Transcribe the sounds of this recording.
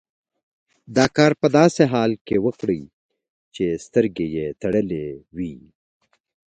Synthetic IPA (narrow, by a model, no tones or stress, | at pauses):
d̪ɑːkɑːɾpəd̪ɑːseɦɑːlkewəkɽəj | t͡ʃest̪əɾɡejet̪ɐɽəlewi